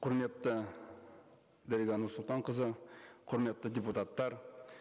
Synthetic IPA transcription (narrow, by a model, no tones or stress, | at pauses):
qʰʊɾme̞t̪ːə | d̪æɾiɡʲɑnʊɾsʊlˠt̪ɑɴqəzəqʰʊɾme̞t̪ːəd̪ʲeput̪at̪ːɑɾ